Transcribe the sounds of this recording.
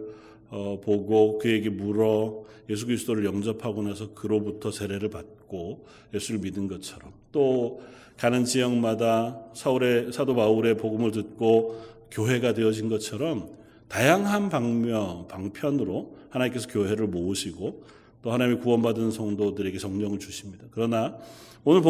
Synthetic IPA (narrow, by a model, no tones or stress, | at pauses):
ʌpoɡokɯje̞ɡemuɾʌje̞sʰukɯɾisʰɯd͈oɾɯɭjʌŋd͡ʑʌpʰaɡonasʰʌkɯɾobutʰʌse̞ɾe̞ɾɯɭpat̚k͈o | je̞sʰuɾɯɭmidɯnɡʌt͡ɕʰʌɾʌmt͈o | kanɯnd͡ʑijʌŋmadasʰauɾesʰadopauɾe̞poɡumɯɭtɯt̚k͈o | kjoɦe̞ɡadeʌd͡ʑinɡʌt͡ɕʰʌɾʌm | tajaŋɦanpaʌpaŋpʰjʌnɯɾohanaɲimk͈e̞sʰʌkjoɦe̞ɾɯɭmouɕʰiɡo | t͈ohanaɲimikuwʌnbadɯnsʰʌŋdodɯɾe̞ɡe̞t͡ɕʌŋɲʌŋɯɭt͡ɕuɕʰimɲidakɯɾʌna | onɯɭp